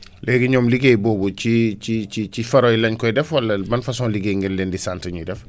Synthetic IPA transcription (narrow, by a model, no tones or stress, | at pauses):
lɛːɡiɲɔːmliɡejbɔːbucicicicifɐɾojlɐɲkɔjdɛfwɐlːɐbɐnfɐsɔːnliɡeŋɡɛnlɛːndisantɐɲudɛf